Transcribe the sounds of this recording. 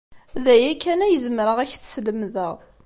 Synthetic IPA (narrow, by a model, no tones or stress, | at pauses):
ðæjækːænæjəzəmɾəʁæçθə̥sləmðəʁ